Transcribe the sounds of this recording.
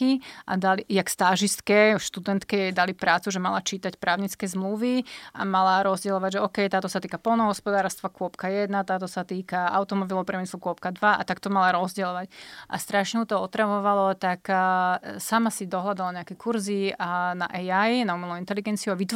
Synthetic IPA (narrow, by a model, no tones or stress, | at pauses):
iʔa̰d̪alijakst̪aʒist̪kɛʃt̪ud̪ɛnt̪kɛd̪alipɾaːt͡suʒɛma̰lat͡ʃiːt̪acpɾaːʊɲit͡skɛːzmluʋia̰malaɾɔzɟɛlɔʋaɟʒɛɔːkɛjt̪aːt̪ɔsat̪iːkapɔlˠnɔɦɔspɔd̪aːɾst̪ʋakʊɔpkajɛd̪nat̪aːt̪ɔsat̪iːkaa̰ʊt̪ɔmɔbilɔpɾɛmislukʊɔp̚kad̪ʋaa̰t̪akt̪ɔmalaɾɔzɟɛlɔʋacʔa̰st̪ɾaʃɲɛɦut̪ɔɔt̪ɾaʋɔʋalɔt̪ak | samasid̪ɔɦlad̪alaɲɛakɛkuɾzina̰ʔɛjajnaumɛlɔint̪ɛliɡɛnt͡siuaʋit̪